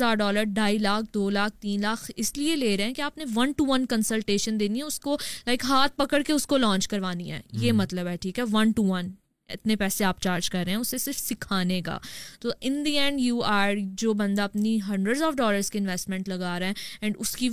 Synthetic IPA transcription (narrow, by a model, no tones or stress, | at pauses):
aːɾɖɔːləɾɖʱaːilaːk̚ʰd̪oːlaːk̚ʰt̪iːnlaːkʰɪslieleːɾɐɦɛ̃keaːpneʋɐnʈuʋɐnkɐ̃nsəlʈeːʃə̃nd̪eːniɦɛʊskolaɪkɦaːt̪̚pɐkəɽkeʊskolɔ̃ːɲt͡ʃkɐɾʋaːniɦɛ̰ːjeːmɐt̪ləbɦɛʈʰiːkɦɛʋɐ̃nʈuʋɐn | ɪ̰t̪nepɛːseaːp̚t͡ʃaːɾd͡ʒkɐɾːeːɦɛ̃ʊsesɪɾfsɪkʰaːneka̰ːt̪oːʔɪ̃nd̪iɛ̃ɳɖjuːaːɾd͡ʒoːbɐ̃nd̪aɐpniɦɐ̃ɳɖɾəɖzɔːfɖɔːləɾz̥kiɪ̃nʋɛːsʈmɛ̃ɳʈlɐɡaːɾɦɛ̃ːɛ̃ːɳɖʊski